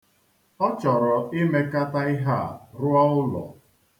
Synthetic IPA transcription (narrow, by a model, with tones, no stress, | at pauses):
ɔ˦t͡ʃɔ˨ɾɔ˨ɪ˦me˦ka˦ta˦ɪ˦ɦa˦˨ɾʊ˦a˦ʊ˦lɔ̰˨